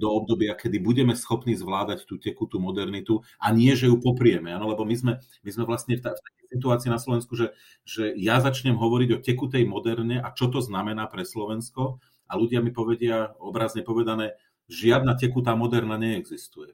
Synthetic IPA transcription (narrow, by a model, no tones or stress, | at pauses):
d̪ɔɔb̚d̪ɔbɪakɛd̪ibuɟɛmɛsxɔpniːzʋlaːd̪act̪uːcɛkut̪umɔd̪ɛɾnit̪u | ʔaɲɪɛʒɛjupɔpɾɪɛmɛanɔlɛbɔmizmɛ | mizmɛʋlast̪ɲɛft̪aft̪akɛjsit̪̬uaːt͡siːnaslɔʋɛnskuʒɛ | ʒɛjazat͡ʃɲɛmɦɔʋɔɾiɟɔcɛkut̪ɛjmɔd̪ɛɾɲɛʔat͡ʃɔt̪̬ɔznamɛnaːpɾɛslɔʋɛnskɔ | aluɟɪamipɔʋɛɟɪaɔbɾaːzɲɛpɔʋɛd̪anɛː | ʒɪad̪̚nacɛkut̪̬aːmɔd̪ɛɾnaɲɛːɡzist̪ujɛ